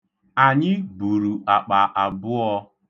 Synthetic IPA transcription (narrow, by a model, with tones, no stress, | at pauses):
a˨ɲɪ˦bu˨ɾu˨ʔa˨k͡pa˨ʔa˨bʊ˦ɔ˦